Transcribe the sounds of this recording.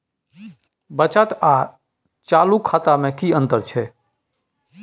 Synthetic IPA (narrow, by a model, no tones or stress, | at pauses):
bət͡ʃat̪a | t͡ʃaːlukʰːaːt̪amẽkiə̃nt̪əɾt͡ʃʰɛ